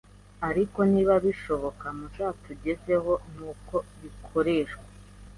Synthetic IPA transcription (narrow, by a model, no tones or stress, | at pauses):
aɾiko̞niːβaβiʃo̞βo̞kamuʃaːtuɟe̞ze̞ɦo̞nuːko̞βikʰo̞ɾeːʃkwa